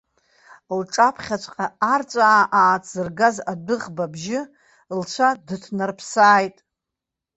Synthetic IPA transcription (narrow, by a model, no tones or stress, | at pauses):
lʈ͡ʂʼapʰχʲat͡ʃʷʼqʼaart͡sʷʼaːʔaːt͡sʰzɨrɡazadɨʁbabʒɪ | lt͡ʃʷʰadɨtʰnarpʰsaːjtʼ